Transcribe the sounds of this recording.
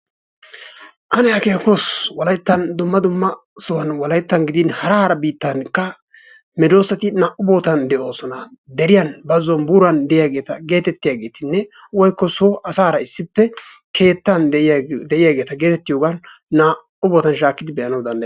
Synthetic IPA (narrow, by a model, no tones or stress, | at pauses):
ʔɐnɛjakeːkoswɔlɐjt̪ːɐnd̪ʊmːɐd̪ʊmːɐsɔwɐnwɔlɐjt̪ːɐnɡɪd̪ɪnhɐɾɐhɐɾɐbiːt̪ːɐnkːɐ | mɛd̪o̞ːsɐt̪ɪnaːʔʊbo̞ːt̪ɐnd̪ɛʔo̞ːsɔnɐd̪ɛɾɪjɐnbɐzɔnbuːɾɐnd̪ɛʔjaɡe̞ːt̪ɐɡe̞ːt̪ɛt̪ːɪjaːɡe̞ːt̪ɪnːɛ | wɔjkːɔsoʔɐsaːhɾɐɪsːɪpːɛ | kʰe̞ːt̪ːɐnd̪ɛʔɪjaːɡe̞ːt̪ɐɡe̞ːt̪ɛt̪ːɪjoːɡanː | aː | ʊboːt̪ɐnʃaːkːɪd̪ɪbɛʔɐnɐwd̪ɐnd̪ɐj